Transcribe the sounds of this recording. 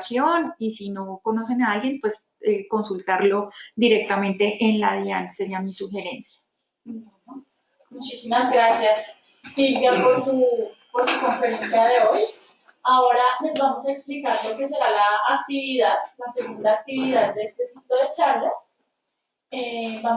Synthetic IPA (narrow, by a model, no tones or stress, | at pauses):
sjo̞nisino̞ko̞no̞s̬e̞naalɡje̞npwe̞s | eko̞nsult̪aɾlo̞d̪iɾe̞k̚t̪amẽ̞nt̪e̞ʔenlaðjanse̞ɾiamisuxe̞ɾe̞nsja | mut͡ʃisimazɡɾasjasː | ilbjapo̞ɾtupo̞ɾtuko̞ɱfe̞ɾe̞nsjaðe̞o̞j | aoɾale̞zbamo̞saeksplikaɾpokes̬e̞ɾalaːk̚t̪iβiðaðlase̞ɣund̪aːk̚t̪iβiðaðd̪eest̪esit̪o̞ðe̞t͡ʃaɾlas | eba